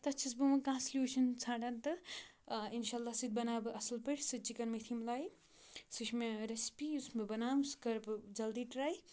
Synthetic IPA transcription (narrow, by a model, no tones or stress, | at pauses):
t̪ɐt͡ʃʰis̬bɨmɐkãːnslʲjuːʃɐnt͡sʰãːʈɐnt̪ɨ | inʃaːlːaːsɨd̪̚bɐnaːbɨʔɐslpɐʈʲsɨt͡ʃikɐnmɐt̪ʰimlaːji | sɨʃmeɾɐspiusmebɐnaːmskɐɾbd͡ʒɐld̪iːʈɾaːj